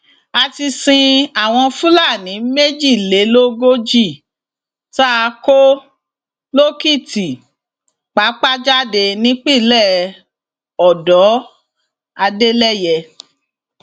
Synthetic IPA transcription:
a˧ti˧sĩ˧a˨w̃ɔ̃˧fũ˦la˦˨nĩ˨˦me˦d͡ʒi˦˨le˨˦lo˦ɡo˦d͡ʒi˦˨ | ta˦a˧ko˦ | lo˦ki˦˨ti˨ | k͡pa˨˦k͡pa˦d͡ʒa˦de˧˨nĩ˨˦k͡pi˦˨lɛ˦˨ | ɔ˨dɔ˨˦ | a˧de˦lɛ˦jɛ˧

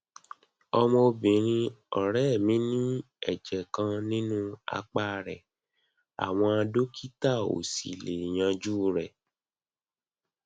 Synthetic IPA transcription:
ɔ˧mɔ̃˧bĩ˨ɾ̃ĩ˧ɔ˨ɾɛ˦˨mĩ˨˦nĩ˦ | ɛ˨d͡ʒɛ˨kã˧nĩ˦nũ˦a̰˧k͡pa˦ɾɛ˨ | a̰˨w̃ɔ̃˧a˧do˦kʰi˦ta˦˨o̰˨sḭ˨le˨jã˧d͡ʒuː˦ɾɛ˨

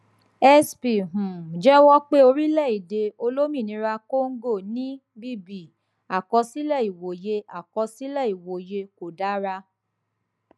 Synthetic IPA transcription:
ɛ˦spi˨ɦũ˨d͡ʒɛ˦wɔ˦k͡pe˦o˧ɾi˦lɛ˦˨i˨de˧o˧lo˦mĩ˦˨nĩ˨˧˦ɾa˧ko˦ŋ̩˦ɡo˦˨nĩ˦ | bi˦bi˨ | a˨kɔ˧si˦lɛ˦˨i˨wo˨je˧a˨kɔ˧si˦lɛ˦˨i˨wo˨je˧ko˨da˨˦ɾa˧

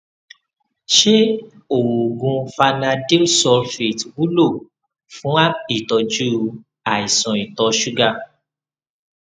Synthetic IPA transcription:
ʃe˦ | o˨wo˨ɡũ˧fa˧nã˧de˦sɔ˧fe˨twu˦lo˦˨ | fũ˨˦a˦i˦˨tɔ˧d͡ʒu˦ | a˨i˨sɔ̃˨i˨tɔ˧ʃu˦ɡa˦˧

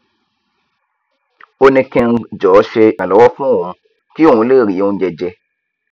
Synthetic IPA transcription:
o˧nĩ˧kɛ̃˧nd͡ʒɔː˨˦ʃe˧ã˨lɔ˨wɔ˦fũ˦˨ũ˨ | ki˦˨ũ˨˧˦le˦˨ɾi˨˦ũ˧˦d͡ʒɛ˧d͡ʒɛ˧

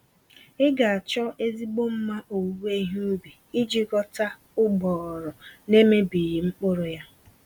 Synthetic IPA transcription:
ɪ˦ɡa˨a˨t͡ʃɔ˦e˦zi˦ɡ͡bo˦m̩˦ma˦ʔo˨˦we˦i˦ɦu˦u˦bi˨ | i˦d͡ʒi˦ɡɔ˦ta˦ | ʊ˦ɡ͡bɔ˨ɾɔ˨ne˦me˦bi˨ji˨ŋ͡m̩˦k͡pʊ˦ɾʊ˦ja˦

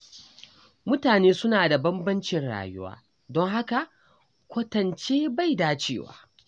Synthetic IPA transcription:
mʊ˦taː˨neː˦sʊ˦naː˨da˨bɐ˦mbɐ˦nt͡ʃɪ˨nɽa̰ː˨jʊ̰˦wa̰ː˦ | dɔ˦ŋɦa˦ka˨ʔ | kʷɐ˦tɐ˨nt͡ʃeː˦ba˦˨jdaː˦t͡ʃḛː˦˨wa̰ː˨˦

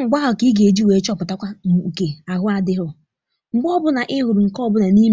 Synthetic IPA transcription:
ŋ͡m̩˨ɡ͡ba˦ɦɔ˨ki˦ɡe˨d͡ʒi˦we˨˦t͡ʃɔ˦pʊ˨ta˦kʷa˦m˨u˨ke˨a˨ɦʊ˦a˨dɪ˦ɦʊ˦ | ŋ͡m̩˨ɡ͡bɔ˦bʊ˦na˨ʔɪ˦ɦʊ˨ɾu˨ŋ̩˨kɔ˦bʊ˦na˨ni˦

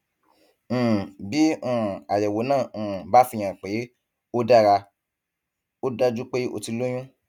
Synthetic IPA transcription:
bi˨˦ũ˨a˨jɛ˨wo˨˦nãː˦˨ba˨˦fi˧j̃ã˨k͡pe˨˦ | o˦da˦˧ɾa˧ | o˦da˦d͡ʒu˦k͡pe˦o̰˧˨ti˧lo˦j̃ũ˦

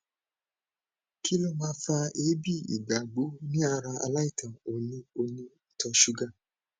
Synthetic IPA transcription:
kʰi˦lɔ˦˨mãː˦fa˧e˨˦bi˦˨ḭ˨ɡa˨ɡ͡bo˨˦nĩ˦a˧ɾa˧a̰˧la˦i˦˨tʰã˨o˨nĩ˧o˧nĩ˧i˨tɔ˧ʃu˨˦ɡa˦˨

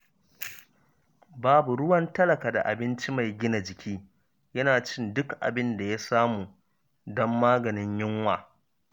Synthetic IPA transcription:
baː˦bu˨ɽʊ˦wɐ˦ntɐ˦lɐ˨kaː˨da̰˨ʔa̰˨bɪ˦nt͡ʃi˦ma˨jɡʲɪ˦na˨d͡ʒɪ˨kʲʰiː˦ | jɐ˦naː˨t͡ʃɪ˦ndʊ˦kʔa̰˨bɪ˦nda˨ja˦saː˦muː˨ | dɔ˦mːaː˦ɡɐ˨nɪ˦ɲjɪ˦ŋwa̰ː˨

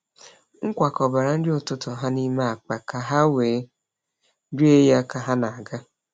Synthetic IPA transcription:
ŋ̩˦kʷa˨kɔ˨ba˨ɾa˨n̩˦dɪ˦ʊ˨tʊ˦tʊ˨ɦa˦ni˦ma˦a˨k͡pa˨ka˨ɦa˦weː˨˦ | n̩˦di˦e˦ja˦ka˨ɦa˦na˨a˨ɡa˦

